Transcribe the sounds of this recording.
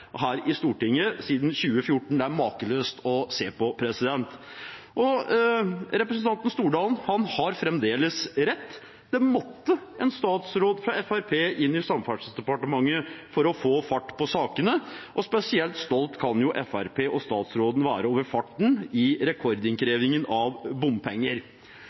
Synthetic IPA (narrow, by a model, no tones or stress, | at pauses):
ɦæːɾɪst̪uːʈɪŋːəsiːd̪n̩çʉːəfjʊʈɳ̩d̪ɛæɾmɑːkəløːst̪ʰɔseːpɔpʰɾɛsɪd̪ɛnt̪ | ʔɔ | ɾɛpɾəsənt̪ɑnt̪ən̩st̪uːɖɑːlnhɑnhɑɾfɾɛmd̪eːləsɾɛt̪ː | d̪̥ɛmɔt̪ːəɛnst̪ɑːt̪sɾoːd̪fɾɑɛfæɾpʰeːʔɪnːɪsɑmfæʈʂəsd̪ɛpɑʈəmɑŋːəfɔɾɔfoːfɑʈːpʰɔsɑːkənəʔɔspɛsɪɛlt̪st̪ɔlt̪kʰɑnjʊʔɛfæɾpʰeːʔɔst̪ɑːt̪sɾoːd̪n̩ʋæːɾəoːʋəɾfɑʈːɳ̩ɪɾɛkʰɔɾd̪ɪŋkʰɾeːʋɪŋənɑʋbʊmpʰɛŋːəɾ